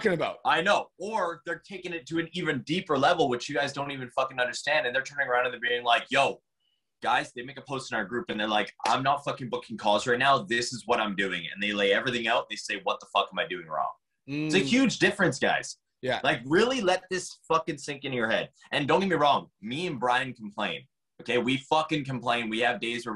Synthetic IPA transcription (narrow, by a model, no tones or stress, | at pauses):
kɪ̃ŋɨbaʊt̚aɪnoʊə˞ðə˞tʰeɪkɪ̃ŋɨtʰɨɨ̃nivɨ̃ndipə˞lɛvl̩ˠwɨt͡ʃjɨɡaɪzdõʊ̃ntivɨ̃nfʌkɨ̃nʌ̃ndə˞stæ̃ndɨ̃nðə˞tʰɜ̃˞ñɪ̃ŋə˞ãʊ̃ndɨ̃nðəbiɪ̃ŋlaɪkjoʊ | ɡ̥aɪzðeɪmeɪkəpʰoʊstn̩aʊə˞ɡɹʉpɨ̃nðə˞laɪkʔã̰ɪ̃mnətfʌkɪ̃ŋbʊkʰɪ̃ŋkʰɔzɹaɪtⁿnaʊðɪsɨzwʌɾãɪ̃mdʉɪ̰̃ŋɨ̰̃nðeɪleɪɛvɹiθɪ̃ŋaʊt̪̚ðeɪseɪwʌt̪̚ðəfʌkə̃maɪdʉɪ̃ŋɹɔ̰̃ŋ | ɪtsɨhjʉd͡ʒdɪfɹɨ̃nsɡ̥a̰ɪz̥ | laɪkɹɪlˠilɛt̪̚ðɪsfʌkɨ̃nsɪ̃ŋkɨ̃njə˞hɛd | ʔɨ̃ndõʊ̃nɡɪmiɹɔ̃ŋmiɨ̃nbɹaɪɨ̃nkʰm̩pʰl̥ẽɪ̃n | oʊkʰeɪwifʌkɨ̃nkmpl̥ẽɪ̃nwiɨvdeɪzwə˞